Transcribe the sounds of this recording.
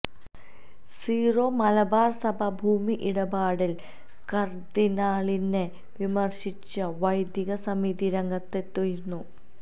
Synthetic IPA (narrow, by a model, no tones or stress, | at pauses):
siːroːmɐlɐbaːrsɐbʱɐbʱuːmiʔiɽɐbaːɽil | kɐrd̪inaːɭine | ʋimɐrɕit͡ɕːɐʋɐjd̪jɐɣɐsɐmiðiɾɐŋɡɐt̪ːet̪ːojinːu